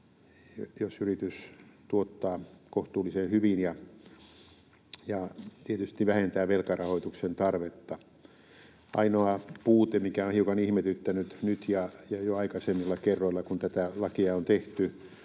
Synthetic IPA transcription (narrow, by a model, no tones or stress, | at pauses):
jojosyrit̪yst̪uot̪ːɑːkoht̪uːlːˑisenhyʋinjɑ | jɑt̪iet̪yst̪iʋæhent̪æːʋelkɑrɑhoit̪uksent̪ɑrʋet̪ːɑ | ɑ̰inoɑpuːt̪emikæonhiukɑnihmet̪yt̪ːænyt̪nyt̪jɑjɑjoɑikɑsemːilːɑkerːoilːˑɑkunt̪æt̪ælɑkiɑont̪eht̪y